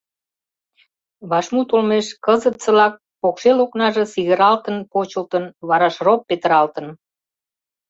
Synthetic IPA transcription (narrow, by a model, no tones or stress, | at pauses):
βɑʃmut̪olmeʃkəzət̪sə̆lɑk̚ | pokʃeloknɑʒĕsiɣəɾɑlt̪ənpot͡ɕəlt̪ənβɑɾɑʃropːet̪əɾɑlt̪ə̆n